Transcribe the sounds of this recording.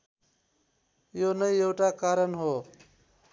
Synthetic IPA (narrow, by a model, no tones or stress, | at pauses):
jonʌjewʈakaɾʌnɦo